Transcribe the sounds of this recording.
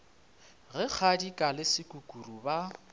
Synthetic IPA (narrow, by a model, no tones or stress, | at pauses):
ɣɛk͡xʰadikʼalɪsɪkʼukʼuruba